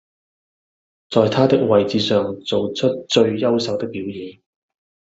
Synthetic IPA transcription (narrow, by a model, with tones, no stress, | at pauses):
t͡sɔː˨jt̪ʰaː˥t̪ɪ˥k̚wɐ˨jt͡siː˨˧sœː˨ŋt͡so˨wt͡ʃʰɵ˥t̚t͡ʃɵ˧ɥjɐ˥wsɐ˨˧wt̪ɪ˥k̚piː˨˥wjiː˨˧ŋ